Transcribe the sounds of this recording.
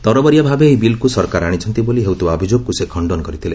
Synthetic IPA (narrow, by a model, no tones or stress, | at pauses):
t̪ɔɾɔbɔɾjabʱabeːjbilkusɔɾkaɾaɽ̃it͡ʃʰɔnt̪iboliɦewt̪ubaɔbʱid͡ʒoɡ̚kusekʰɔɳɖɔnkɔɾit̪ʰile